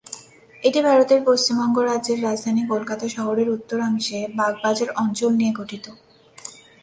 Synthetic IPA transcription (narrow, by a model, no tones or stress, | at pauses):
eʈibʱaɾot̪eɾpost͡ɕimbɔŋɡoɾadʑeɾːad͡ʑd̪ʱanikolkat̪aʃɔɦoɾeɾut̪ːoɾamiʃebaɡ̚bad͡ʑaɾɔnt͡ɕolnieɡʱoʈʰit̪o